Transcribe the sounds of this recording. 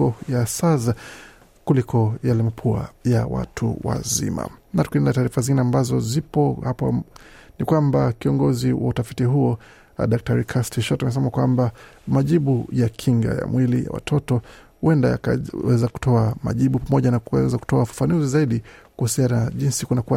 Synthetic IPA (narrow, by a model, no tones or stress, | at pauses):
ɔjasaza | kulikɔjalɛmapʰua̰jawa̰tʰṵwa̰zḭma̰natkindɛlataːɾifazĩŋɡinɛambazɔzipɔhap | nikwambakiɔŋɡɔziwautafitiɦuɔ | aɗak̚taɾikʰastiʃɔtamɛs̬ɛmakwamba | maʄiɓujakʰiŋɡa̰ja̰mwʔilija̰wa̰tʰɔtɔhuɛndaja̰wɛzaku̥tʰɔama̰ʄiɓupamɔʄanakuɛzaku̥tɔafḁfanuzizaiɗikuhusianaʄinsikunakua